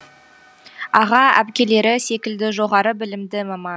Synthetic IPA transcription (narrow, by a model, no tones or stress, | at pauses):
ɑʁɑæ̰pkʲe̞le̞ɾɪse̞kʲɪld̪ɪʒo̞ʁɑɾəbɪlɪmd̪ɪmɑmɑn